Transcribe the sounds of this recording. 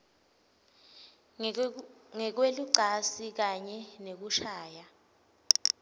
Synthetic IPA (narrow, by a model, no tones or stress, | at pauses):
ŋɛk̬weluǀʱasik̬aɲɛnek̬uʃaːja